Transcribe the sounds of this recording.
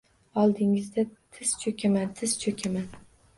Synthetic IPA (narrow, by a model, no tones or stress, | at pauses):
ɒlˠd̪ɪŋɪzd̪at̪ʰɪz̥t͡ʃʰɵkʲʰamant̪ʰɪz̥t͡ʃʰɵkʲʰaman